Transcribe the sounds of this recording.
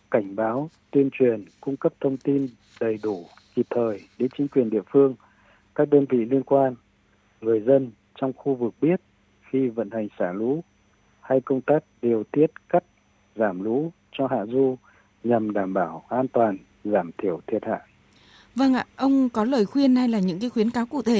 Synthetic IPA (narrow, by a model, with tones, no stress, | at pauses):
ka˧˩jŋ̟ɓaː˨˦wt̪wi˧ənt͡ɕwi˨˩ənkʊ˧ŋ͡mkə˦˥p̚t̪ʰə˧wŋ͡mt̪i˧n | ɗə˨˩jɗu˧˩ | ki˨˩p̚t̪ʰəː˨˩jɗe˨˦nt͡ɕï˨˦ŋ̟kwi˨˩ənɗḭ˧˨əfɨ˧əŋ | kaː˦˥k̚ɗəː˧nvḭ˧˨li˧ənkwaː˧n | ŋɨ˨˩əjzə˧n | t͡ɕɔ˧wŋ͡mxu˧vɨ˨˩k̚ɓi˦˥ət̚ | xi˧və̰˧˨nha˨˩jŋ̟saː˧˩lṵ˧˥ | ha˧jkə˧wŋ͡mt̪aː˦˥k̚ɗi˨˩əwt̪i˦˥ət̚ka˦˥k̚ | zaː˧˩mlṵ˧˥ | t͡ɕɔ˧ɦa̰ː˧˨zu˧ | ɲa˨˩mɗaː˧˩mɓaː˧˩wʔaː˧nt̪waː˨˩n | zaː˧˩mt̪ʰi˧˩əwt̪ʰi˨˩ət̚ha̰ː˧˨j | və˧ŋʔa̰ː˧˨ʔə˧wŋ͡mkɔ˨˦ləː˨˩jxwi˧ənha˧jlaː˨˩ɲɨ̰˧˥ŋkaː˨˦jxwi˨˦ənkaː˨˦wkṵ˧˩t̪ʰe˧˩